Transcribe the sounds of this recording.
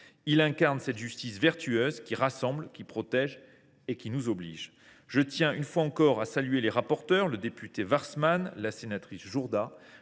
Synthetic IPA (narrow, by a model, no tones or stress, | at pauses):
ilɛ̃kaʁnsɛt̪ʒyst̪isvɛʁt̪ʰyøzkʲiʁasɑ̃blkʲipχɔt̪ɛʒ | ekʲinuzɔbliʒ | ʒət̪jɛ̃ynfwaɑ̃kɔʁasalyeleʁapɔʁt̪œʁləd̪epyt̪evaʁsmanlasenat̪χisʒuʁd̪a